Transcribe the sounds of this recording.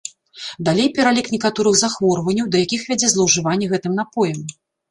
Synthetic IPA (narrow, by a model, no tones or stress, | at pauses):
d̪alʲejpʲɛɾalʲiknʲɛkat̪ɔɾɨɣzaxvɔrvɐnʲːɐwd̪ɐjakʲixvʲad͡zʲɛzlˠɐwʐɨvanʲːɛɣɛt̪ɨmnapɔjɐm